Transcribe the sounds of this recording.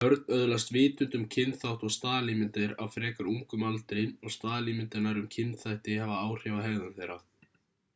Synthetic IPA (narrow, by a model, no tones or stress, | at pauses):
hœɾt̪nœðlast̪vɪːt̪ʏnt̪ʏmcʰɪnθawht̪ɔɣst̪aːðlimɪnt̪ɪɾawfɾɛːkaɾuŋkʏmalt̪ɾɪnɔɣst̪aːðlimɪnt̪ɪɾnaɾʏmcʰɪnθajht̪ɪhavaaːwr̥ɛvahɛːɣðanθejɾa